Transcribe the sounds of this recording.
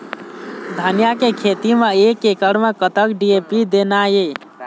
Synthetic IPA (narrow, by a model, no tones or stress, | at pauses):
d̪ʱənijakekʰet̪imeekekəɽmekət̪əkɖiepid̪enaje